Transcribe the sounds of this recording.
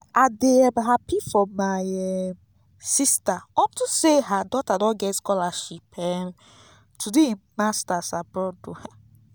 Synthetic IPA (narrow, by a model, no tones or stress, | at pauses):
adeabɦapifɔmajɛ | sistawɔ̃ntuseɦadɔtadɔ̃nɡɛtskɔlaʃipɛ | tʰudemastasabɾɔduha